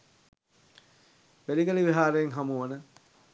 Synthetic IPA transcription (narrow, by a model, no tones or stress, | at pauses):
ʋeliɡəliʋiɦaːɾejeŋɦamuʋənə